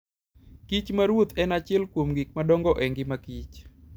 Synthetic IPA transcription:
kit͡ʃmaɾwot̪ɛnat͡ʃɛlkwomɡik̚madɔŋɡɔʔɛŋɡɪmakit͡ʃ

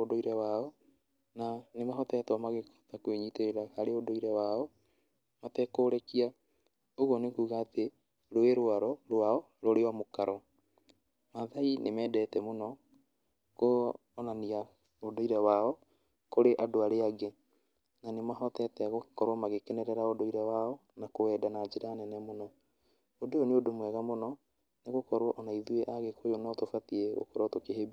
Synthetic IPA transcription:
odoiɾɛwaɔ | nanemaɦɔtɛtɔmaɣektakweɲiteeɾahaɾeodoiɾɛwaɔ | matɛkoːɾɛkia | oɣɔnekuːɣaːte | ɾoeɾwaɾɔɾwaɔ | ɾoɾewamokaɾɔ | maðainemɛːdɛtɛmonɔ | koː | nania | odoiɾawaɔ | koɾeʔadoaɾeaɡe | nanemaɦɔtɛtɛɣokɔɾwamaɣekɛnɛɾɛɾaodoiɾawaɔnakowɛːdanad͡ʒeɾaːnɛnɛmonɔ | odooneodomwɛɣamonɔ | neɣokɔɾwɔʔɔnaiðueʔaɣekʰojonatofatieo̰koɾɔtokeheb

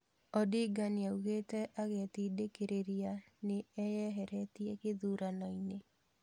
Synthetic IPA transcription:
ɔdɪɡanjauɣetɛʔaɣɛt̪idekeɾʔeɾianɪɛjɛɦɛɾɛt̪jekɪðuɾanɔine

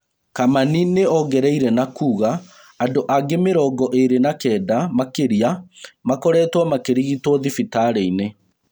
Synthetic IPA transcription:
kamanineɔɡɛɾɛiɾɛnakuːɣaː | ndoʔaɡemeɾɔɡɔʔeɾenakɛːdamakeɾiamakɔɾɛtwamakeɾiɣitwɔðifitaɾɛine

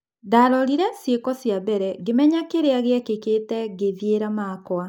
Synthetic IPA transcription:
daːɾɔɾiɾɛsjekɔsjabɛɾɛɡemɛɲakeɾeaɣeɛkeketɛɡeðjeɾamakwa

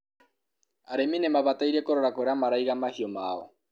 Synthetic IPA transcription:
aɾeminemaβat̪ajɾekoɾoɾakoɾeamaɾajɣamahiomaːo

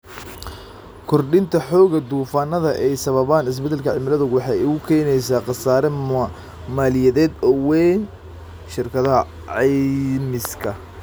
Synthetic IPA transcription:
kʰɔrɖɪnt̪ʰɐħɔːɣɐd̪uːfaːnːɐðɐʔɛjsɐβɐβaːnɪs̬bɛd̪ɛlkʰɐʕɪmɪlɐðʊɣwɑħɑːjʊɣʊkʰɛnɛjsaːqɑsaːɾɛ | maːlɪjɛðɛːd̪ɔwɛn | ʃɪrkʰɐðɐ | ʕɑmɪskʰɐ

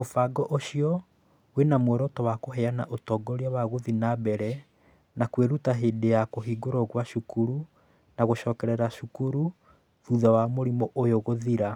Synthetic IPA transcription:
ofaɡɔʔoʃiɔ | wenamwɛɾɔtɔwakoɦɛanaʔotɔːɡɔɾiaβaɣoðinabɛɾɛ | nakweɾutaɦeːdejakoɦiːɡoɾɔɣwaʃukuɾu | naɣoʃɔːkɛɾɛɾaʃukuɾu | ðuðawamoɾimɔʔojoɣoðiɾa

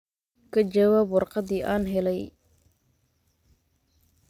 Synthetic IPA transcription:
kʰɐd͡ʒɐwaːbwɑrqɑðiːʔaːnɦɛlɛj

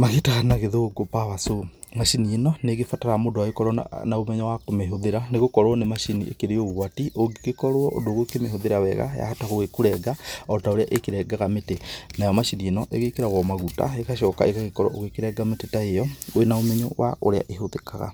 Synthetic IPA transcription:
mahetaɣanaɣeðoɡopaβaso | maʃinienɔneɣefataɾamodowaekɔɾɔ̰naomɛɲɔwakomeɦoðeɾaneɣokɔɾoɔnemaʃinḭʔḛkeɾeoɣwatiʔoɡeɣekɔɾoɔʔo̰doɣokemehoðeɾawɛɣa̰ja̰hataɣowekuɾɛɡaɔtaoɾea̰ʔekeɾɛɡaɣametenajɔmaʃinienɔʔeɣekeɾaɣɔmaɣuta̰ekaʃɔka̰eɣaɣekɔɾɔʔoɣekeɾɛɡametetaejɔoenaomɛɲɔwa̰o̰ɾea̰ʔeɦoðekaɣa̰

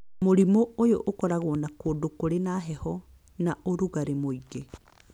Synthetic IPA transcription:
moɾimoojoʔokɔɾaɣwɔnakoːdokoɾenaːɦɛhɔ | naʔoɾuɣaɾemoiɣe

